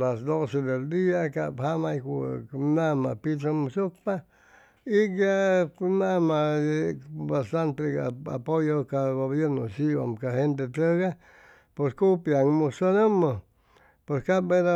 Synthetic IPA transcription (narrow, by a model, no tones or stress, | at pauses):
lasd̪osed̪eld̪iakabhamajkunamapit̪ɾomusuk̚pa | ikjanama | bast̪ant̪ea̰pojokaɡoβjeɾnosiba̰mkahent̪̬et̪ɾəɣa | poskupjaŋmusonomo | poskabeɾa